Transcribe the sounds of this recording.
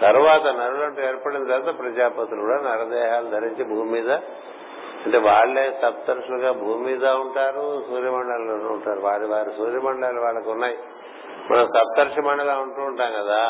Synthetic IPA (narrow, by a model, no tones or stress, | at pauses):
t̪ɐɾuʋaːt̪ɐnɐɾulɐɳʈueːɾpɐɽind̪t̪ɐɾt̪ɐpɾɐd͡ʒaːpɐt̪ulukuɽaːnɐɾɐd̪ɛːɦaːlud̪ʱɐɾiɲt͡ʃebʱuːmimiːd̪ɐ | ɐɳʈeːʋaːɭːeːt̪ɐp̚t̪ɐɾʂuluɡaːbʱuːmiːd̪aːuɳʈaːɾusuːɾjɐmɐɳɖaːllonːuɳʈaːɾuʋaːɾiʋaːɾisuːɾjɐmɐɳɖɭaːluʋaːɭːɐkunːaːji | mɐ̰nɐmt̪ɐb̚t̪ɐɾʂɐmɐɳɖɐlaːuɳʈuːuɳʈaːŋkɐd̪aː